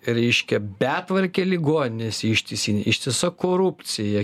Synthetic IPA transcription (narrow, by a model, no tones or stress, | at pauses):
ɾʲɛɪʃʲkʲɛbʲæːt̪ʋɐɾʲkʲeːlʲɪɡoːnʲɪnʲeːsʲɪʃʲt̪ʲɪsʲiːnʲɪʃʲt̪ʲɪsɐkoːɾʊpʲt̪sʲɪjɛ